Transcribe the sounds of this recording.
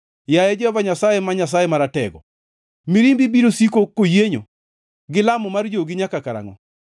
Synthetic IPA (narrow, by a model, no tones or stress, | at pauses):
jajɛd͡ʒɔɔvaɲasajɛmaɲas̬ajɛmaɾatɛɡɔ̰ | miɾimbibiɾosikokːojeɲo̰ | ɡɪlamɔmard͡ʒoɡɪɲakakaɾa̰ŋɔ̰